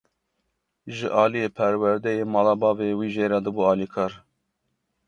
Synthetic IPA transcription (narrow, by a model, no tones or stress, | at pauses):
ʒɨʔɑːlijeːpʰɛɾwɛɾd̪ɛjeːmɑːlɑːbɑːveːwiːʒeːɾɑd̪ɨbuːɑːlikʰɑːɾ